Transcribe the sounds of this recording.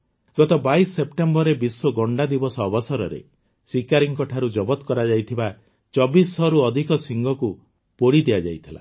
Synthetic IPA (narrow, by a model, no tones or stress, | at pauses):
ɡɔt̪ɔbaisɔːep̚ʈembɔɾebisɔɡɔɳɖad̪ibɔsɔːbɔsɔɾɔɾḛ | sikaɾiŋkɔʈʰaɾud͡ʒɔbɔt̪ɔkɔɾad͡ʒajt̪ʰiba | t͡ʃɔbisːɔɾuɔd̪ʱikɔsiŋɡɔku | poɽid̪ijad͡ʒajt̪ʰila̰